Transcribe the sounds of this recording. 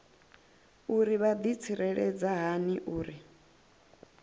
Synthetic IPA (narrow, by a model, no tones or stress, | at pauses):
uɾiβad̪it͡sʰiɾɛɺɛd͡zaɦaniʔuːɾi